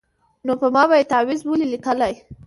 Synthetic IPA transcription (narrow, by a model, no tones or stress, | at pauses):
nopəmɑbajet̪awɪzbəlilikəlaj